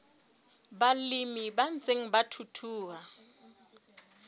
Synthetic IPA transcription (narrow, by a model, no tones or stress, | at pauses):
balimibant͡sʼeŋ̩batʰutʰuːa